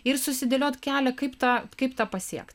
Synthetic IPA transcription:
ɪɾsʊsʲɪd̪ʲelʲoːt̪kʲæːlʲɛkɐɪpt̪ɑːkɐɪpt̪ɑːpɐsʲiɛkt̪

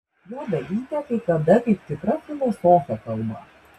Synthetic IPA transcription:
juːd̪ɐlʲiːt̪ʲɛk̪ɐɪkɐd̪ɐkɐɪp̚t̪ʲɪkɾɐfʲɪlˠosoːfʲɛkɐlˠbɐ̰

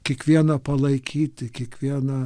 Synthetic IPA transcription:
kʲiɛkʋʲiɛnɐpɐlˠɐɪkʲʰiːt̪ʲɪkʲiɛkʋʲiɛnɐ

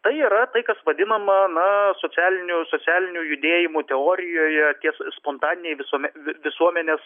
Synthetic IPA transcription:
t̪ɐɪiːɾɐt̪ɐɪkɐsʋɐd̪ʲɪnɐmɐnɐsoːt͡s̪ʲæːlʲɪnʲʊsoːt͡s̪ʲæːlʲɪnʲʊjʊd̪ʲeːjɪmut̪ʲɛoːɾʲɪjoːjɛt̪ʲiɛsspont̪ɑːnʲɪnʲɛɪʋʲɪsuɔmʲɛʋʲɪsuɔmʲɛnʲeːs

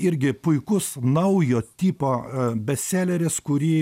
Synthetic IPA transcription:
ɪɾʲɡʲɪpʊɪkʊsnɐʊjoːt̪ʲiːpoːbʲɛsʲæːlʲɛɾʲɪskʊɾʲiː

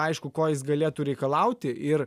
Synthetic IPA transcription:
ɐɪʃkʊkoːjɪs̬ɡɐlʲeːt̪uɾʲɛɪkɐlˠɐʊt̪ʲɪɪr

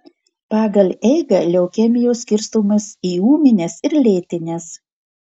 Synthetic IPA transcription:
pɑːɡɐlʲɛɪɡɐlʲɛʊkʲɛmʲɪjoːsʲkʲɪɾst̪oːmɐsiːuːmʲɪnʲesɪɾlʲeːt̪ʲɪnʲeːs

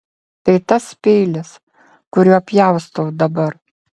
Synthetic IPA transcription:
t̪ʲɪt̪ɐspʲeɪlʲɪs | kʊɾʲuɐpʲjæˑʊst̪oʊd̪ɐbɐɾ

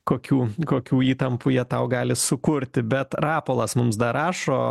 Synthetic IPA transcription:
koːkʲuːkoːkʲuːiːt̪ɐmpujiɛt̪ɐʊɡɑːlʲɪsʊkʊɾʲt̪ʲɪbʲɛt̪rɑːpoːlˠɐsmʊmsd̪ɐɾɑːʃoː

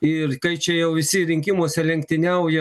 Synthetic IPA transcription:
ɪrkɐɪt͡ʃʲɛjɛʊʋʲɪsʲɪɾʲɪŋʲkʲɪmoːsʲɛlʲɛŋkt̪ʲɪnʲɛʊjɛ

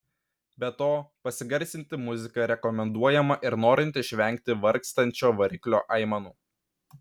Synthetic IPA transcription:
bʲɛt̪oːpɐsʲɪɡɐɾʲsʲɪnʲt̪ʲɪmʊzʲɪkɐɾʲɛkɔmʲɛnd̪uɔjɛmɐʔɪɾnoːɾʲɪnʲt̪ʲɪʃʲʋʲɛŋʲk̚t̪ʲɪʋɐɾʲkst̪ɐnʲt͡ʃʲoːʋɐɾʲɪklʲo̰ːʔɐɪmɐnuː

